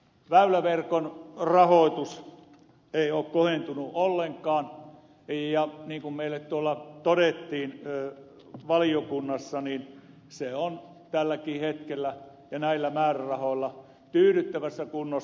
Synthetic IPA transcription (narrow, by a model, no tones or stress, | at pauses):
ʋæylæʋerkonrɑhoˑit̪us | eˑioːkkohent̪unuʔolːeŋkˑɑːn | jɑniːŋkummeilːet̪t̪uolːɑt̪oɾet̪ːiːnː | ʋɑlijokunːɑsːɑniːn | seon | t̪ælːækiːhet̪kelːæ | jɑnæilːæmæːrærɑhoˑilːɑ | t̪yːɾyt̪ːæʋæsːækunːo